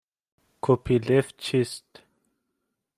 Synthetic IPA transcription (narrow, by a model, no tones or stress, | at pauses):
kʰopʰileft͡ʃʰist̪